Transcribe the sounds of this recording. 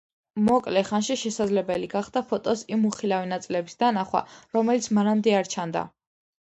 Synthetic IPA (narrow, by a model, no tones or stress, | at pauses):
mɔkʼlɛχanʃiʃɛsad̪zlɛbɛliɡaχd̪̥apʰɔt̪ʼɔsimːuχilavinat̪sʼilɛbisd̪anaχwa̰ɾɔmɛlit̪sʰmaɾamd̪ɛaɾt͡ʃʰand̪a̰